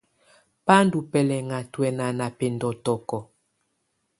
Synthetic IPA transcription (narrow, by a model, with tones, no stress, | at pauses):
pa˦ndu˨pɛ˨lɛ˨ŋa˨twɛ˨na˨na˨pe˨ndɔ˨tɔ˨kɔ˨